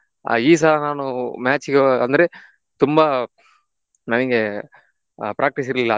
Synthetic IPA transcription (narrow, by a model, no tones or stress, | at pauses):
a̰iːs̬aːnaːnʊ̃maːt͡ʃːɯkːɐɐnd̪ɯɾɯ | t̪ʊmbaː | nɐnɪŋɡɛ | pɾaːk̚ʈɪs̬ɪɾlɪlaː